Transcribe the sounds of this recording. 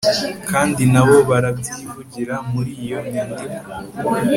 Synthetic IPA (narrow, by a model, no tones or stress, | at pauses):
kaːndinaβo̞βaɾabɟiːvuɟiɾamuɾijo̞ɲiːndima